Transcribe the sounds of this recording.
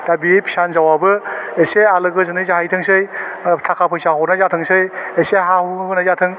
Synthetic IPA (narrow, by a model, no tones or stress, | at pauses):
d̥abiepʰi̥sanzawabɯesealɯɡɯzɯnɯjzaɦajtʰɯŋsɯjtʰakʰapʰɯjsaɦɔnazatʰɯŋsɯjeseɦahuhɯnazatʰɯŋ